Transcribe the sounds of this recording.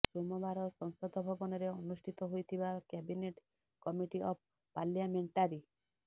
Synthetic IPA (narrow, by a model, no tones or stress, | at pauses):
somɔbaɾɔsɔŋsɔd̪ʱɔbʱɔbɔnɔɾeɔnusʈʰit̪ɔɦojt̪ʰibakɛbineʈ | kɔmiʈiʔɔp̚ | paljameɳʈaɾi